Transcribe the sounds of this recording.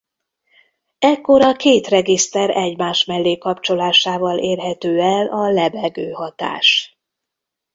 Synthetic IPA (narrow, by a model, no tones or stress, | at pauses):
ɛkːo̞ɾɒkeːt̪rɛɡist̪ɛɾɛɟmaːʃmɛlːeːkɒpt͡ʃo̞laːʃaːvɒleːrɦɛt̪øːɛlɒlɛbɛɡøːɦɒt̪a̰ːʃ